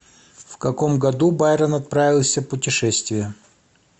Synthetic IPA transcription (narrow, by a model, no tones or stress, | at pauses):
fkɐkomɡɐd̪ubajɾənɐt̪̚pɾavʲɪlˠsʲəpʊtʲɪʂɛsʲt̪vʲɪjə